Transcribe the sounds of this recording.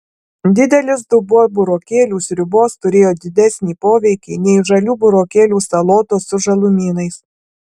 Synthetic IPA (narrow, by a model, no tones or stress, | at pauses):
d̪ʲɪd̪ʲɛlʲɪs̬d̪ʊbuɔbʊɾoːkʲeːlʲuːsʲɾʲʊboːst̪ʊɾʲeːjoːd̪ʲɪd̪ʲɛsʲnʲiːpoːʋʲɛɪkʲiːnʲɛɪʒɐlʲuːbʊɾoːkʲeːlʲuːsɐlˠoːt̪oːsʊʒɐlˠʊmʲiːnɐɪs